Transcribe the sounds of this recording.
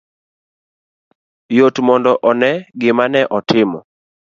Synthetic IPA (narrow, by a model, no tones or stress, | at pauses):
jotmɔndɔʔɔnɛɡɪmanɛʔɔtʰɪmɔ̰